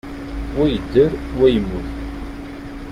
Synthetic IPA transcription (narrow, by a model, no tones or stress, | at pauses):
wæjəd̪ːəɾwæjəmːʊθ